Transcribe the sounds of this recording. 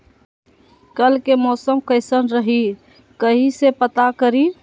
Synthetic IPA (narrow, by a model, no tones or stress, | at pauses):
kəlkemɔːsəmkəɪsənɾəɦi | kəɦisepət̪akəɾi